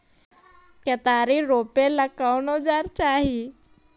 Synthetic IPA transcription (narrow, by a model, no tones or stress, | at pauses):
ket̪aɾiɾopelakawnod͡zaɾt͡ɕaɦi